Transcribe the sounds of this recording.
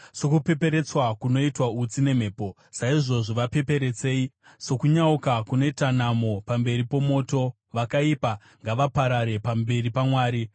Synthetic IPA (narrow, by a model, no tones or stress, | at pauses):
so̞kupe̞pe̞ɾe̞t͡swakuno̞itwaut͡sine̞m̤e̞ːpo̞ | saiʐo̞ʐoʋape̞pe̞ɾe̞t͡se̞ːi | so̞kuɲaukakune̞tanamo̞pambe̞ɾipo̞mo̞ːto̞ | ʋakaiːpa | ŋɡaʋapaɾaɾe̞pambe̞ɾipamwaːɾi